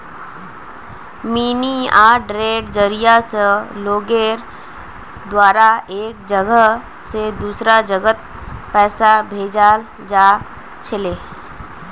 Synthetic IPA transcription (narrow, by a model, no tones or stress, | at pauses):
miːniaːɾɖɾeːɖd͡ʒəɾijasəloːɡeːɾ | d̪waːɾaeːk̚d͡ʒəɡəɦ | sed̪uːsɾad͡ʒəɡət̪̚ | pɛːsabʱeːd͡ʒaːl | d͡ʒaː | t͡ʃʰɪleː